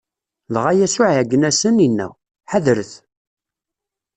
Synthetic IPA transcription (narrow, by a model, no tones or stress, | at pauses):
lʁajæsʊʕʕɡːənæsəninːæ̰w | ħaðɾəθ